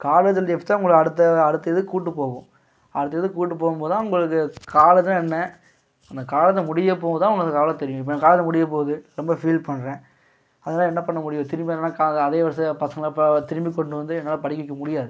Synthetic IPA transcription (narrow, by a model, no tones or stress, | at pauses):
kaːlɐt̪ːɐld̪eft̪ːãːʊŋɡɐɭɯɐɽɯt̪ːɐɐɽɯt̪ːɐɛðɯkuːʈːɯpːoːɣʊ̃ | ɐɽɯt̪ːɐðɯkuːʈːɯpːoːɣɯmpoːðɯt̪ãːʊŋɡɐɭɯkːɯkaːlɐt̪ːãɛnːɐ | ɐnd̪ɐkaːlɐt̪ːɐmʊɽɪjɐp̬oːɣɐt̪ãːʊɐŋɡɐnd̪ɐkaːlɐt̪ɛɾɪjʊ̃ɪpːɐnːɐkaːlɐt̪̬ːɐmʊɽɪjɐp̬oːðɯɾɔmbɐfiːlpɐɳːɾẽː | ɐðɐnaːlɐɛnːɐpɐɳːɐmʊɽɪjʊ̃t̪ɪɾmbinːlːaːkaɐðeːʋɐɾɐsɐpɐsɐŋɡɐlt̪ɪɾɯmbikːɔɳɖɯʋɐnd̪ɯɛnːaːlɐpɐɽɪkːɪkːɐmʊɽɪjaːðɯ